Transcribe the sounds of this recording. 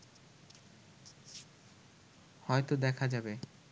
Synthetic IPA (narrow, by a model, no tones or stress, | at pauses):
hɔet̪od̪ɛkʰad͡ʑabe